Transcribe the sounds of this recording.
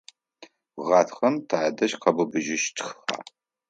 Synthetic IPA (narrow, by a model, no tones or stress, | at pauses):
ʁaːtʰχɐmtʰaːdɐʃqɐbɨbɨʒɪʃtʰxχa̰ː